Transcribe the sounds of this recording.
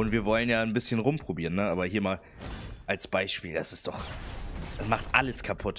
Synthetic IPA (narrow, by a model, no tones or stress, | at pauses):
ʊntv̥iːɐvɔlənjaːnbɪsçənʁʊmpʁ̥obiːʁənːəʔaːbɐhiːɐmaːl | ʔalsb̥aɪʃpiːldasɪ̥std̥ɔχ | ɛsmaχtʔaləskʰapʰʊt